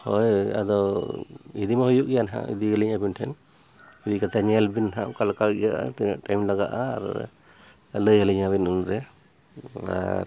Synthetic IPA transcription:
hɔ̰ja̰d̪ɔ | id̪imahujuʔ̚ɡɛjanɦã̰ḭd̪iɡəliɲabinʈʰɛn | id̪ikat̪ʰaɲɛlbinɦaʔkalkajaʔa̰t̪ina̰ʔʈajmlaɡa̰ʔa̰ːɾ | ləjəliɲaβinunɾɛ | a̰ɾ

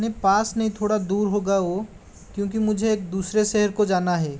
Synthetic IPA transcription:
nepaːsnɐɦĩt̪ʰoːɽad̪uːɾɦoːɡaoː | kjõːk̬imʊd͡ʒʱeːk̚d̪uːsɾeʃɛɦəɾkod͡ʒaːnaɦɛː

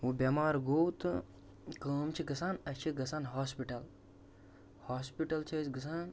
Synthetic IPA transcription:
ubʲɐmaːɾɡoːt̪ɨ | kəːmt͡ʃʰiɡɐsaːnɐt͡ʃʰiɡɐsaːnɦaːspiʈɐl | haːspiʈɐlt͡ʃʰɐsɡɐsaːn

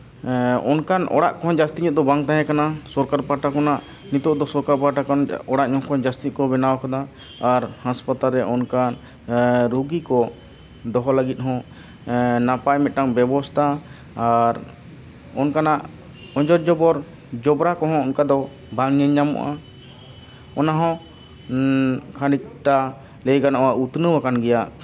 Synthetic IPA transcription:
ɔ̰nkanɔ̰ɽa̰ʔkɔɦɔ̃d͡ʒast̪iɲɔʔ̚d̪ɔbaŋt̪aɦɛ̃kanasɔɾkaɾpaʈakɔnaʔ | nit̪ɔʔd̪ɔsɔɾkaɾpaʈakɔnɔɽaʔɲɔɦkɔnd͡ʒast̪it̪̚kɔbɛnawakad̪aː | ɾhãspat̪alɾɛʔɔnkan | ɾuɡikɔ | d̪ɔɦɔlaɡit̪̚ɦɔ̃ | napajmɛt̪̚ˀʈaŋbɛbɔst̪ʰaː | ɾ | ɔnkanaʔ | ɔɲd͡ʒɔɾd͡ʒɔbɔɾ | d͡ʒɔbɾakɔɦɔ̃ɔnkad̪ɔ | baŋɲəɲːamɔ̰ʔa̰ | ɔnaɦɔ̃ | kʰanik̚ʈa | lɛjɡanʔɔwaut̪nəwakanɡɛjaʔ

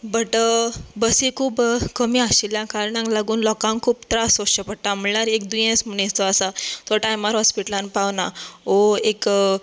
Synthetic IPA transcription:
bəʈbəsekʰuːbkəmiːaɕiljãkaɾɳãŋklaɡuːnlɔkãŋkkʰuːpt̪ɾasoɕəpəɽʈ̪am̤əɭaɾekd̪ujẽsm̤əñest̪ɔasat̪ɔʈajmaɾɦɔspiʈlãnpawnaoek

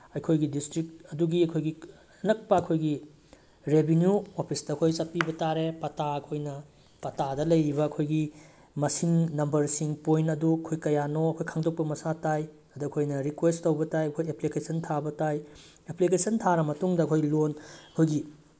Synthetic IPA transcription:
ɐjkʰojɡidistɾik̚ɐduɡiɐkʰojɡi | nɐk̚pɐːkʰojɡi | ɾebʱenjuopʰisdɐɐkʰojsɐpibɐtaɾepɐtaɐkʰojnɐ | pɐtadɐlɐjɾibɐːkʰojɡi | mɐsiŋnɐmbɐɾsiŋpojntɐduɐkʰojkɐjanoɐkʰojkʰaŋdok̚pɐmɐsataj | ɐduɐkʰojnɐɾikwestowbɐtajɐkʰojeplikesɐntʰabɐtaj | eplikesɐntʰaɾɐmɐtuŋdɐːkʰojlonɐkʰojɡi

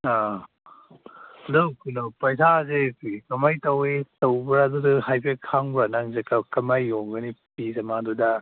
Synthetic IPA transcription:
a | dowkunopɐjsʰazekikɐmajtɐwetɐwbɾɐduduhajpʰekʰaŋbɾɐnaŋzekakɐmajːoŋɡɐnip̚izɐmadudɐ

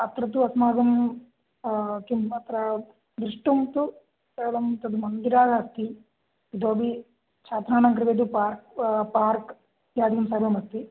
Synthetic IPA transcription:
ɐt̪ɾɐt̪̬uɐsmaːd̪ɐm | kimɐt̪ɾɐ | d̪ɾiʂʈumt̪u | ɐɭɐmt̪ɐd̪umɐnɡ̪iɾaːɡ̪aɐst̪i | id̪oːbi | t͡ʃʰaːt̪ɾaːnaŋkɾiʋed̪upaːɾkpaːɾk | jaːd̪ijɐmsaːɾjɐmɐst̪i

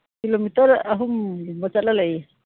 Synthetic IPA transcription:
kilomit̪araɦumbat͡ʃaʔlalai

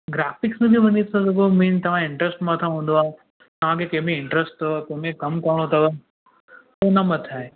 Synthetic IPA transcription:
ɡɾaːfɪksmẽbiʋɐɲisʰãzɐɡomĩːnt̪ɐʋ̤ãɪ̃ɳʈɾəsʈmãt̪ʰãɦũːn̆d̪oaːɦe | t̪ɐʋ̤ãkʰekɐ̃ɦmẽɪ̃ɳʈɾəsʈ̚t̪ʰɐʋkomẽkɐmkɐɾəɽ̃ot̪ʰɐʋə | ponãmɐt̪ʰaːɦe

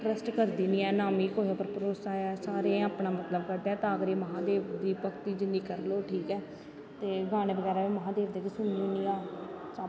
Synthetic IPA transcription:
ʈɾəsʈkəɾd̪iːnĩːɛːnaːmiːkoːɦepəɾpəɾoːsaːɛːsaːɾẽaːpɳaːmət̪ləbkəɾd̪aːt̪ãːəɡəɾeːməɦãːd̪eːʋd̪iːpəkt̪iːd͡ʒɪnd̪iːkəɾloːʈʰiːkɛː | t̪eːɡʱaːɽ̃ẽːbəɡɛːɾaːʋiːməɦãːd̪eːʋd̪eːkɪsʊnioːnĩːaːt͡ʃaː

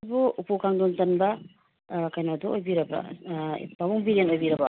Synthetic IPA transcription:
buupukʰaŋdontɐnba | kajnaduojbiɾɐba̰ | pabuŋbiɾenojbiɾɐba

